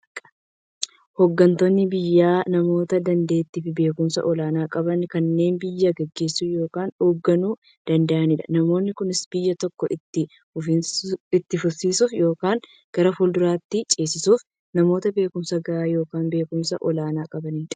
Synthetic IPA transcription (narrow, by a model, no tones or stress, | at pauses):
hɔɡːɐnt̪onːɪbɪjːaːnɐmo̞ːt̪ɐd̪ɐnd̪e̞ːt̪ːiːfɪbe̞ːkʊmsɐ̰ʔɔlaːnaːkʼɐbɐnkɐnːe̞ːnbɪjːɐɡɛɡːe̞ːsːujo̞ːkaːnoːɡːɐnuː | d̪̥ɐnd̪ɐʔɐnɪᶑɐ̰nɐmo̞ːnːɪkʊnɪsb̥ɪjːɐt̪ɔkːɔʔɪt̪ːɪ | ɪt̪ːɪfʊsːiːsʊfjo̞ːkaːŋ | ɡ̥ɐɾɐfʊld̪ʊɾaːt̪ːɪt͡ʃʼe̞ːsɪsuːf | nɐmo̞ːt̪ɐbe̞ːkʊmsɐɡɐaːjo̞ːkaːnbe̞ːkʊmsɐʔɔlaːnaːkʼɐbɐnɪt̪